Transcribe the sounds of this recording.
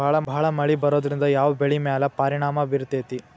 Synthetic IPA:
aːɭɐbʱɐɦɐɭɐmɐɭibɐɾoːd̪ɾind̪ɐjaːʋɐbeɭimaːlɐpaːɾiɳ̃aːmɐʋiɾt̪eːt̪i

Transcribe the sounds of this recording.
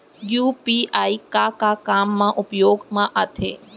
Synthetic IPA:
juːpiːaːikakakaːmːãʔʊpjoːɡmãʔat̪ʰḛː

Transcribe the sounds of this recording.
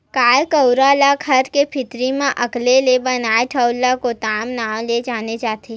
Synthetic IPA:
kaːjkɐwɾaːlakʰɐɾkepʰɪt̪ɾimẽʔɐklelebɐnaːeʈʰəʊlːakot̪aːmnaːwled͡ʒaːnet͡ʃaːt̪eː

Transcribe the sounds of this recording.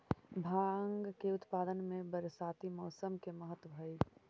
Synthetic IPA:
bʱaːəŋɡkeʊt̪paːd̪ənmẽbəɾsaːt̪imɔːsəmkeməɦət̪wəbʱəj

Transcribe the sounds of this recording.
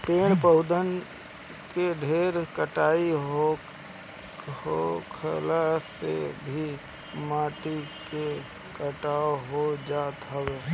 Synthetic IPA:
peːɽ̃pəʊd̪ən | keɖʱeːɾkəʈaːiɦo | hokʰəlasḛbʱi | maːʈike | kəʈaːoɦod͡ʒaːt̪ɦəʋeː

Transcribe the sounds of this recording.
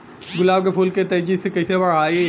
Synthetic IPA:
ɡʊlaːbkepʰʊlket̪ɐd͡ʒisekɐisebɐɽaːi

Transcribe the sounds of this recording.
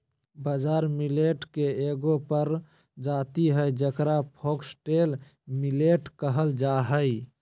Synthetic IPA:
bəd͡ʒaɾmileʈkeeɡopəɾ | d͡ʒat̪iɦəjd͡ʒəkɾapʰoksʈel | mileʈkəɦəld͡ʒaɦəj

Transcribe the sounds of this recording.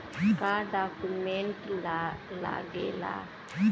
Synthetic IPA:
kaɖakumentlala̰ɡḛla̰

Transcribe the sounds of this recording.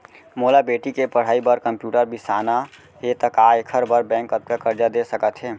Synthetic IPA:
molabeːʈikepəɽ̤aːibəɾkəmpjuːʈəɾbisaːna | ɦet̪əkaekʰəɾbəɾbɛ̃ːŋkət̪̚kakəɾd͡ʒad̪esəkət̪ɦɛː

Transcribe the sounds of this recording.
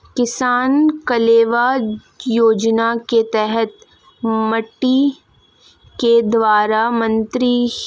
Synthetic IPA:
kɪsaːnkɐleːʋa | joːd͡ʒnaket̪ɛɦɛt̪ | mɐʈːi | ked̪ʋaːɾamɐ̃nt̪ɾi

